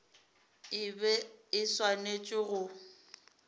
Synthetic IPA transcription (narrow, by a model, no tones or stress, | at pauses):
ɪbɛɪswanet͡ʃʼɪɣʊ